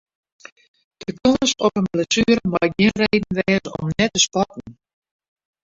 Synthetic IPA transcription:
d̥əkʰonəsɔpənplɛsyːəɾəmaj̚ɡɪnrejdn̩ʋɛːsɔ̰mnɛtəspɔtn̩

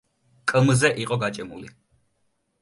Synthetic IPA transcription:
kʼmzɛʔiqʼɔɡat͡ʃʼɛmṵli

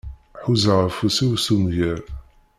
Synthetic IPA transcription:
ħuzəʁəfusiwsumʝəɾ

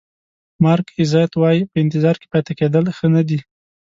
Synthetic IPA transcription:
mɑɾkɪzɑjat̪wɑjipəɪnt̪ɪzɑɾke̥pɑjt̪aked̪əlxənad̪i

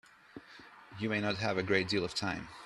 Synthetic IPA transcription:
jɨmeɪnət̚ɦɨvɨɡɹeɪt̚d̥ilˠʌv̥tʰãɪ̃m

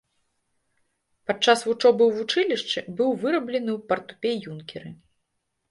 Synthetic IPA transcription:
pat͡ʂːasvut͡ʂɔbɨwvut͡ʂɨlʲiʂt͡ʂɨbɨwvɨɾɐblʲɛnɨwpɐrt̪u̥pʲɛjunkʲɛɾɨ

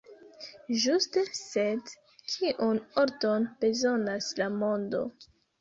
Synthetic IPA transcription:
ʒuste̞sed | kʰiʔuno̞ɾto̞nb̥e̞zo̞naslamo̞ndo̞̰

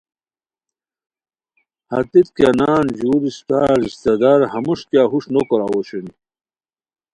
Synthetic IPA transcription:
hɐt̪it̪kanaːnd͡ʑuːɾist̪aːɾist̪ed̪aɾhɐmuʂkjaɦuʂnokoɾawoɕeni

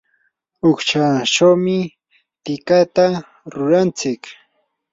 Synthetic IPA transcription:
ʊkt͡ʃaʈ͡ʂawmɪ | t̪ɪkat̪a | ɾʊɾant͡sɪk

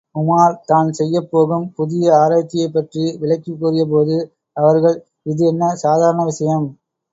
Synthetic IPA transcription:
kʊmaːɾt̪aːnsɛjːɐpːoːɣɯmpʊðɪjɐaːɾaːt͡ʃːɪjɐɪpːɐʈriʋɪɭɐɪkːikːuːrɪjɐp̬oːðɯ | ɐʋɐɾɣɐɭ | ɪðɯɛnːɐsaːðaːɾɐɳɐʋɪʂɐjɐm

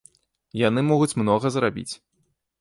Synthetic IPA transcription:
janɨmɔɣut͡sʲmnɔɣɐzɾabʲḭt͡sʲ

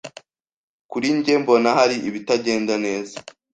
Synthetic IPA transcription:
kuɾiɲɟembo̞naɦaɾiʔiβitaɟe̞ːndane̞ːza

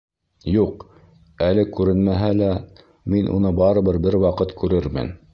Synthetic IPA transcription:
juq | ælɘkʉɾɘnmæɦælæ | minʔṵnɤbɑɾɤ̆bɤɾbɘɾwɑqɤt̪kʉɾɘɾmɘ̰n

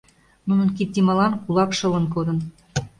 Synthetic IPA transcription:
nunɤ̆nkit̪̚ːimɑlɑnkulɑkʃɤ̆lə̆nkod̪ɤ̆n

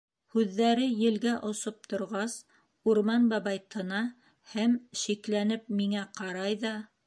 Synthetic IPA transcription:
hʉðːæɾɘjɘ̆lɡæʔŏsop̚t̪ʰŏɾʁɑs | uɾmɑnbɑβɑjt̪ʰɤ̆nɑ | hæmʃiklænɘp̚miŋæqɑɾɑjðɑ

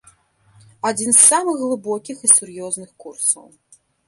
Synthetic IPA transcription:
ad͡zʲinsːamɨxɣlˠɨbɔkʲixisurjɔznɨxkursɐ̰w

